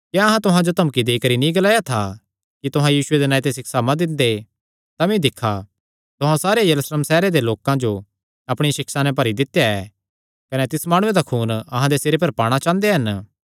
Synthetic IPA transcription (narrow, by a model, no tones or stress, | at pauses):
kjaɐɦãt̪ʊɦãd͡ʒot̪ɐmkid̪eːikɐɾinĩɡɐlaːjat̪ʰa | kit̪ʊɦãjiːsʊed̪enaːit̪̬esɪkʰsamɐ̃d̪ɪ̃nd̪e | t̪amĩd̪ɪkʰːa | t̪ʊɦãsaːɾejɐɾusləmsɛːɾed̪eloːkãd͡ʒo | ɐpɽ̃isɪksanɛ̃pɐɾid̪ɪt̪ːejaɛ | kɐnɛt̪ɪsmaːɽ̃ʊ̃ẽd̪akʰuːnɐɦãd̪eseːɾepɐɾpaːɽ̃at͡ʃãːnd̪eɦɐn